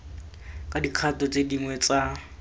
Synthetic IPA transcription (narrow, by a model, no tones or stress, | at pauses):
kʼadiq͡χʰatɔt͡sʼediŋwɛt͡sa